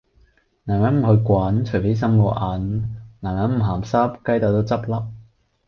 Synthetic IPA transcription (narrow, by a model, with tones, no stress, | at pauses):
naː˨˩mjɐ˨˥nm̩˨˩hɵ˧kʷaː˨˥nt͡ʃʰɵ˨˩fe˨˥js̬ɐ˥mloː˨˧ʔaː˨nnaː˨˩mɐ˨˥nm̩˨˩ɦaː˨˩msɐ˥p̚kɐ˥jt̪aː˨˩t̪o˥wt͡sɐ˥p̚lɐ˥p̚